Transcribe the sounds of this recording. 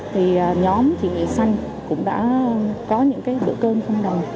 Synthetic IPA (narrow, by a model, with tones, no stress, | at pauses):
t̪ʰi˨˩əː˨˩ɲɔ˨˦mt͡ɕḭ˧˨nwḭ˧˨ənsa˧jŋ̟ | kʊ̰˧˥ŋ͡mɗa̰ː˧˥˨kɔ˨˦ɲɨ̰˧˥ŋkaː˨˦jɗɨ̰˧˩əkəː˧nt͡ɕə˧wŋ͡mɗə˨˩wŋ͡m